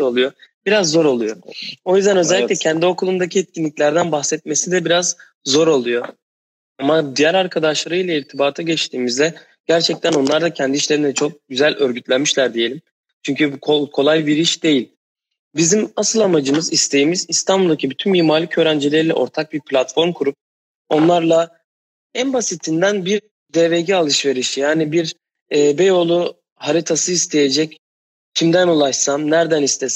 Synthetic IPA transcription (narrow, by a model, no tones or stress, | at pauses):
o̞lˠujo̞ | biɾazːo̞ɾo̞lˠujoo̞jyzd̪ænø̞zɛlʲːiclʲɛcʰɛnd̪io̞kʰulˠund̪acʰiɛt̪̚cʰinʲiclʲæɾd̪ænbaxsɛt̪̚me̞sid̪ɛbiɾaz | zo̞ɾo̞lˠujo̞ | amad̪ijæɾaɾkʰad̪aʃlˠaɾɯjlˠaiɾt̪ʰibaːt̪ʰaɟɛt͡ʃt̪ʰiːmizd̪ɛ | ɟ̥æɾt͡ʃʰɛc̚t̪ʰæno̞nlˠaɾd̪acʰɛnd̪iʃlʲe̞ɾind̪ɛt͡ʃʰo̞k̚ɟyzælʲøɾɟyt̪lʲænmiʃlʲæɾd̪ije̞lʲim | t͡ʃʰyɲcykʰokʰo̞lˠajbiɾiʃd̪e̞jilʲ | bizimasɯlˠamad͡ʒɯmɯzist̪ʰe̞jimizist̪ʰanbulˠd̪acʰibyt̪ʰymmiːmaɾlʲicʰø̞ːɾænd͡ʒilʲeɾilʲɛʔo̞̰ɾt̪ʰak̚biɾpʰlʲat̪fo̞ɾmkʰuɾup̚ | o̞nlˠaɾlˠa | ænbasit̪ʰind̪ænbiɾ | d̪eːveɟɛalˠɯʃve̞ɾiʃjaːnibiɾ | ɛːbejo̞lˠu | haɾit̪ʰasɯist̪ʰe̞jed͡ʒɛc | cʰimd̪ænulˠaʃsamnæɾd̪ænist̪ʰes